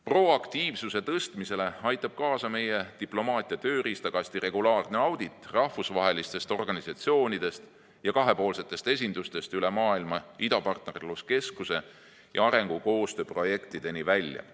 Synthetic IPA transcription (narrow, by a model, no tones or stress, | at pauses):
pro̞ɑkt̪iːvsuse̞t̪ɤst̪mise̞le̞ɑjt̪ːˑɑb̥̚kɑːsɑme̞je̞t̪iplo̞mɑːt̪ˑiɑt̪øːɾist̪ɑɡ̥ɑsʲt̪ire̞ɡ̥ulɑːrne̞ɑwd̪̥it̪ˑːrɑhfusvɑɦe̞list̪e̞st̪o̞rɡ̥ɑnisɑt̪sio̞ːnid̪̥e̞st̪ | jɑkɑɦe̞po̞ːlse̞t̪ːˑest̪e̞s̬ʲind̪̥ust̪e̞st̪yle̞mɑːilmɑid̪ɑpɑrt̪ne̞rluske̞skuse̞ | jʔɑ̰ɑɾe̞ŋɡ̥uko̞ːst̪øːpro̞je̞kt̪id̪̥e̞nivælʲjɑ̰